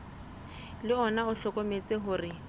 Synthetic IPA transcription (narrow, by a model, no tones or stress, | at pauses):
lɪɔnaʊɬɔkʼomet͡sʼɪɦʊːrɪ